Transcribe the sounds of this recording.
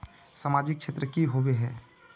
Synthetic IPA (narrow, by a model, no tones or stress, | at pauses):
samad͡ʒɪk̚ʃʰet̪ɾəkiɦobeɦɛː